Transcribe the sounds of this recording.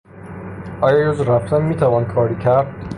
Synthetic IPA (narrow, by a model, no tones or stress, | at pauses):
ʔɒːjɒːjozɾæft̪ʰænmiːt̪ʰævɒːnkʰɒːɾiːcʰæɾd̪̥